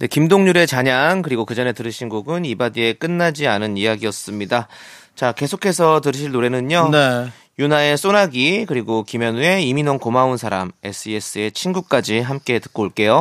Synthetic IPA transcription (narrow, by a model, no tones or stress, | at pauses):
de̞kimdoŋɲuɾe̞t͡ɕaɲaŋkɯɾiɡokɯd͡ʑʌne̞tɯɾɯɕʰinɡoɡɯnibadie̞k͈ɯnːad͡ʑianɯnijaɡiʌs͈ɯmɲida | t͡ɕake̞sʰokʰe̞sʰʌtɯɾɯɕ̬ʰiɭnoɾe̞nɯɲone | junae̞s͈onaɡikɯɾiɡokimjʌnue̞iminoŋkomaunsʰaɾame̞̰s͈ʰɯes͈ʰɯe̞t͡ɕʰinɡuk̚k͈ad͡ʑiɦamk͈e̞tɯ̥k̚k͈oɭk͈e̞jo